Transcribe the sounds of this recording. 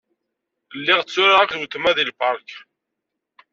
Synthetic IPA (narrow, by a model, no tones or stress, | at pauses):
lːiʁt͡sːʊɾaʁakðwt̪ːmæðilpɑɾˤk